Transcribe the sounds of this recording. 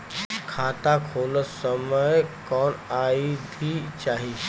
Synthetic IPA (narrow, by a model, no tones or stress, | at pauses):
kʰat̪akʰoləsəməjkɔɳaid̪ʱiːt͡ɕaɦi